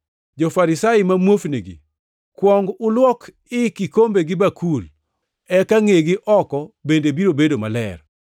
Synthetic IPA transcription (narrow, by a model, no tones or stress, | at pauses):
d͡ʒɔfaɾɪsaɪmamwofniɡḭ | kwɔŋɡʊlwɔk | ɪkikombeɡɪbakʰul | ɛkaŋeɡɪʔɔkɔbendebiɾobedomalɛ̰r